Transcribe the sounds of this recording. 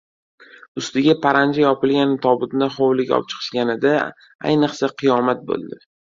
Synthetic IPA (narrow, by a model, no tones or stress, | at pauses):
ʊst̪ɪɡʲapʰaɾand͡ʒajɒpɪlɡʲant̪ʰɒbɪd̪naχowlɪkʲɒ̰p̚t͡ʃʰɨ̥qʰɨ̥ʃɡʲanɪd̪a | a̰jnɨqsaqʰɨjɒmat̪̚bo̰lˠd̪ɪ